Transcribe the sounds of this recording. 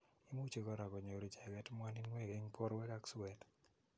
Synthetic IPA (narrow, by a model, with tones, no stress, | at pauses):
i˦mu˦t͡ʃe˨kɔ˦ɾa˨kɔ˨ɲo˨ɾi˨t͡ʃa˨ɡɛ˦tmwa˦ni˦nwe˦˨ɡe˦ŋpʰɔ˦ɾwɛ˦da˦ksɛt